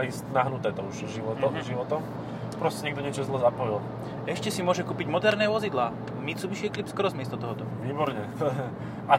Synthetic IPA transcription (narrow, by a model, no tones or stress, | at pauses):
iːstnaɦnut̪ɛːt̪ɔuʒʒiʋɔt̪ɔmʒiʋɔt̪ɔm | pɾɔscɛɲɛɡ̚d̪ɔɲɛt͡ʃɔzlɛzapɔjil | ɛʃcɛsimʊɔʒɛkuːpiɟmɔd̪ɛɾnɛːʋɔzid̪laː | mit͡suʋiʃiɛklipskɔɾɔzmɪɛst̪ɔt̪ɔɦɔt̪ɔʋiːbɔɾɲɛ | a